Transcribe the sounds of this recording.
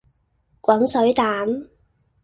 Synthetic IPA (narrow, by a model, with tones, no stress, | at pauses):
kʷɐ˨˥nsɵ˨˥ɥt̪aː˨˥n